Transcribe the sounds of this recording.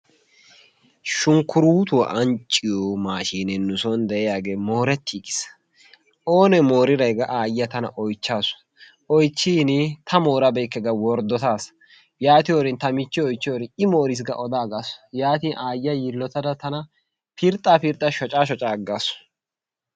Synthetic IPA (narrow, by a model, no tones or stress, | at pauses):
ʃʊŋkʊɾuːt̪ʊw̰ʔɐnt͡ʃʼːɪjomaːʃiːnɛnʊsɔnd̪ɛʔɛjaːɡeːmo̞ːɾɛt̪ʰːiːkɪ̥s | ʔo̞ːnɛmo̞ːɾɪɾɐjɡɐʔaːjɐt̪ɐnɐ̰ʔɔjt͡ʃːaːsʊ̥ | ʔɔjt͡ʃːiːnɪt̪ʰɐmo̞ːɾɐbɛjkːɛɡɐwɔɾd̪ɔt̪aːsɐ̥ | jaːt̪ɪjoɾɪnt̪ɐmɪt͡ʃːɪɔjt͡ʃːɪjoɾɪɪmoːɾɪs̬ɡɐ̰ʔɔd̪aːɡasʊ̥jaːt̪iːnʔaːjɐjɪlːɔt̪ɐd̪ɐt̪ɐnɐ | pɪɾt̪ʼːaːpɪɾt̪ʼɐʃɔt͡ʃʼaːʃ̬ɔt͡ʃʼaːɡaːsʊ̥